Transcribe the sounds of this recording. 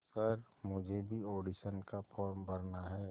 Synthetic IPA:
səɾmʊd͡ʒʱebʱioːɖiʃənkapʰɔːɾmbɐɾnaɦɛː

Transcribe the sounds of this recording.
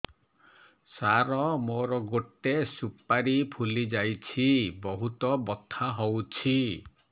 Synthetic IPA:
saɾɔmoɾɔɡoʈːesupaɾipʰulid͡ʒajt͡ʃʰibɔɦut̪ɔbɔt̪ʰːaɦowt͡ʃʰi

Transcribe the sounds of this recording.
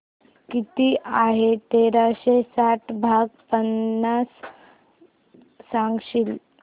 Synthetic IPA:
kit̪iʔaɦet̪eɾaɕesaʈʰbʱaɡpənːas | sãŋɡɕil

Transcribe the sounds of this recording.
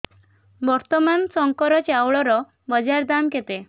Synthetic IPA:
bɔɾt̪ɔmansɔŋkɔɾɔt͡ʃawɭɔɾɔ | bɔd͡ʒaɾd̪amket̪e

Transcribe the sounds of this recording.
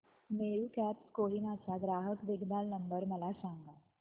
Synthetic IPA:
meɾukɛpskoɦinat͡ɕaɡɾaːɦəkb̪ɪɡd̪alnəmbəɾməlasãŋɡa

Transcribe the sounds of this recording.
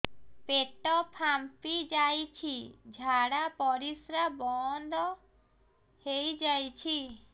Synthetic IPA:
peʈɔpʰampid͡ʒajt͡ʃʰid͡ʒʱaɽapɔɾisɾabɔnd̪ɔ | hejd͡ʒajt͡ʃʰi

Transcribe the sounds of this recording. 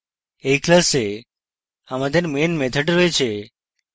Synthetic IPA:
eklase | aməd̪ʱənmenmet̪ʰəʈɾoet͡ʃʰe

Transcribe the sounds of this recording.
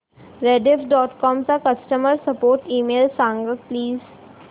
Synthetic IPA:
ɾeɖefɖɔːʈkɔːmsakɐsʈəməɾsɐpoːɾʈiːmeːlsãːŋɡəpliːz

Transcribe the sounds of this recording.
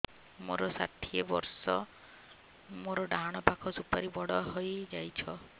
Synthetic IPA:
mo̰ɾɔsa̰ʈʰiebɔ̰ɾsɔ | moɾɔɖaɦaɽ̃ɔpakʰɔsupaɾibɔɽɔɦojd͡ʒajt͡ʃʰɔ

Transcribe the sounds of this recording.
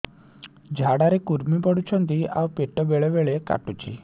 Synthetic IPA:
d͡ʑʱaɽaɾekuɾmibəɽut͡ɕʰɔnt̪ia̰wpeʈːəʋeɭeʋeɭeka̰ʈut͡ɕḭ

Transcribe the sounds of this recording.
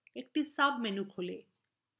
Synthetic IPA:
ek̚ʈisabmenukʰole

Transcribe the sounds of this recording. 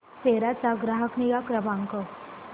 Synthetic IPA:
seɾat͡saɡɾaɦəkniɡakɾəbãŋkə

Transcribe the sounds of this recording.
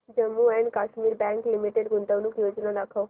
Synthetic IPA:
d͡ʒəmːuɛ̃ːɳɖkaːʃmiːɾbɛ̃ːŋklɪmɪʈeɖɡʊnd̪anũːkjoːd͡ʒnaɾəkʰao

